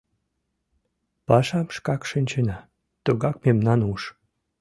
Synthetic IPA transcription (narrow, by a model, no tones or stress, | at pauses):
pɑʃɑmʃkɑkʃinʲt͡ɕenɑ | t̪uɣɑk̚memnɑnuʃ